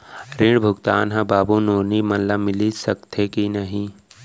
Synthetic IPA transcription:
ɾiɽbʱʊɡt̪aːnɦɐ̃baːbunoːnimɐnlamɪlisəkt̪ʰekinɐɦĩ

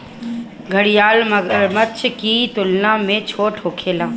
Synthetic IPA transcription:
ɡʱəɽijaːlmətːt͡ʃʰkit̪ʊlnamẽt͡ʃʰoːʈʰoːkʰeːlaː

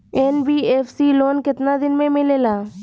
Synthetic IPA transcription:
ɛːnbiːeːfsiloːnkɪt̪nad̪ɪnmẽmɪleːlaː

